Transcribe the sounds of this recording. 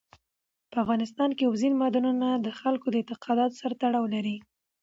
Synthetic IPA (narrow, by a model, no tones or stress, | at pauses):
pəafɣɑnɪst̪ɑnkeawzinmɑd̪ɑnunad̪əxalkod̪əɪnt̪ɪqɑd̪ɑt̪saɾat̪aɽɑwlaɾi